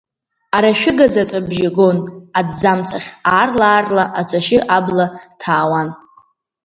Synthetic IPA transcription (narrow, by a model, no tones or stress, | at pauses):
aɾaʃᶣʊɡazat͡sʼabʒaɡo̞nadd͡zamt͡sʰʼaχʲaːrlaːrlaʔat͡sʷʼaʃɪʔablatʰaːwan